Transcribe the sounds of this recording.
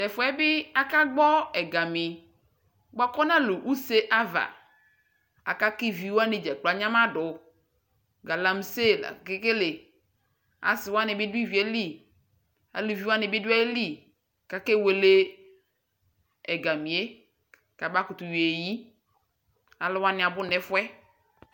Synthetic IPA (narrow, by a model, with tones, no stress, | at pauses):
tɛ˨fʊ˨˦ɛ˦bɪ˦a˦ka˦ɡ͡bɔ˦ɛ˨ɡa˨mɪ˨ | ɡ͡ba˦kɔ˦nã˦lu˨ʔu˦se˦ʔa˦va̰˨ | a̰˨ka˦ki˦vi˨wa˦nɪ˨d͡ʒɛ˨k͡pla˨ɲã˦ma˦ɖʊ˨ | ɡa˨la˨m˦se˦˨la̰˨ke˦ke˦le˨ | a̰˨sɪ˨wa˦nɪ˨bɪ˦di˦vi˨˦e˦li˦˨ | a̰˨li˨vi˨˦wa˦nɪ˨bɪ˦da˦e˦li˦˨ | ka˦ke˦˨we˨le˦ | ɛ˨ɡa˨mi˨e˦ | ka˨ba˦kʊ˨t̪u˨we˨ji˦ | a˨lɪ˦wa˦nɪ̃˨a˨bʊ˦nɛ˨fʊ˦ɛ˦